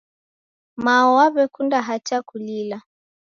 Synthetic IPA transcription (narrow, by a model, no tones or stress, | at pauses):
maɔwaβɛkundaɦat͡ʃakulila